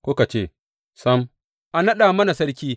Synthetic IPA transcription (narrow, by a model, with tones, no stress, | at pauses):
kʷoː˦ka˨t͡ʃeː˦˨ | sɐ˦m | ʔa˨nɐ˦ɗa˨mɐ˦na˨sɐ˦ɾkʲiː˦